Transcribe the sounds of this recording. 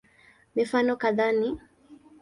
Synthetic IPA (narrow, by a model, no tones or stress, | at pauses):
mifanɔkaðani